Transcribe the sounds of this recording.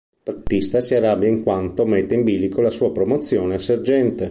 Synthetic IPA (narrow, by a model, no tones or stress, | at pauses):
b̥at̪ːist̪asiaɾabjaiŋkwant̪omet̪ːeimbiːlikolasuːapɾomot̪sːjoːneserd͡ʒɛnt̪e